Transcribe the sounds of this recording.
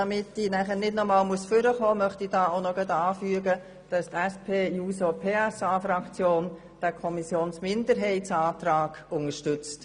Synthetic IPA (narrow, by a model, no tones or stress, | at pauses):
ɑmɪtinæχənɪdnɔmɑːlmuəsfʏɾəχɔːmœχtidɑːoʊnɔɡɛdɑːfyəɡə | d̥ɑstɛspʰeːjuːsopʰeːɛsaːfɾɑkt͡sjoːn | d̥ækʰɔmisjoːnsmɪndəɾɦɛɪtsɑːtɾaːɡ̥ʊŋəʃtʏt͡st